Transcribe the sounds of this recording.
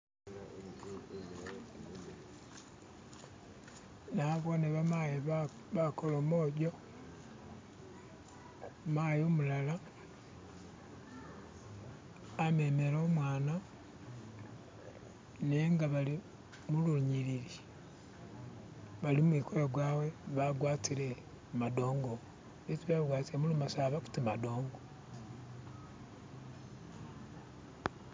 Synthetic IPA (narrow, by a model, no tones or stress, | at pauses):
naβo̞neβamaji | βakolomoːɟo | maːjomulala | me̞ːmeɾoːmwaːna | neŋɡaβali | muluɲiɾiɾi | βalimwikojoɡwaːwe̞βaɡwaːtiɾe̞ | mado̞ːŋɡo | βitiβaɡwaːtiɾemulumasaːβaku̥timado̞ːŋɡo